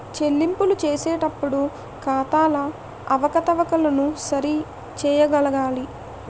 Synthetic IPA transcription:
t͡ʃe̞lːimpulut͡ʃeːsɛːʈɐpːuɽu | kaːt̪aːlɐ | ɐʋɐkɐt̪ɐʋɐkɐlɐnusɐɾi | t͡ʃɛːjɐɡɐlɐɡaːli

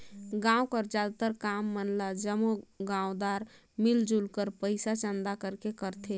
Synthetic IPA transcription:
ɡãwkəɾd͡ʒad̪t̪əɾkamːənlad͡ʒəmoɡãod̪aɾ | mild͡ʒulkəɾpəɪsat͡ʃənd̪akəɾkekəɾt̪ʰe

